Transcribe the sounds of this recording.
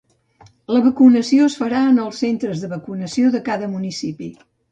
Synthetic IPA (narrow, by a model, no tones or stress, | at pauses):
ləβəkunəsioəsfəɾaənəlˠsːent̪ɾəzðəβəkunəsioðəkaðəmunisipi